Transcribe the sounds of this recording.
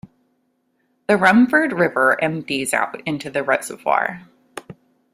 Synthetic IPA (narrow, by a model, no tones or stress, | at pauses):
ðɨɹʌ̃ɱfə˞d̚ɹɪvə˞ʔɛ̃mtiza̰ʊɾɪ̃ntʉðɨɹʌtsʌv̥fɑ̰ɹ